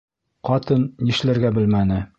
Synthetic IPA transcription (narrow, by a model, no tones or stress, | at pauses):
qɒt̪ɤnjɘ̆ʃlæɾɡæbɘ̆lmænɘ